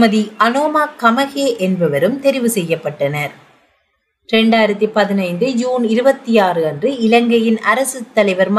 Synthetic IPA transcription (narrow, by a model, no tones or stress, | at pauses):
mɐðiɐnoːmaːkɐmɐɣeːʔɛnbɐʋɐɾɯmt̪ɛɾɪʋɯsɛjːɐpːɐʈːɐnɐɾ | ɾɛɳɖaːjɪɾɐt̪ːipɐðɪnɐɪnd̪ɯd͡ʒuːnɪɾɯbɐt̪ːijaːrɯɐndrɯɪlɐŋɡɐjɪnɐɾɐsɯt̪ːɐlɐɪʋɐɾm